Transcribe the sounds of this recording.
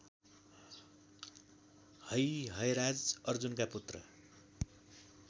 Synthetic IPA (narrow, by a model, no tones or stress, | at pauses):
hʌjɦʌjɾad͡zʌrd͡zunkaput̪rʌ